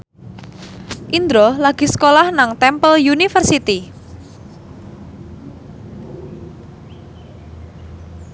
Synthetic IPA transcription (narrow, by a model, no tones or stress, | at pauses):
ʔind̪ɾɔlaɡ̥i̤skolahnaŋt̪ɛmpəljunifərsit̪i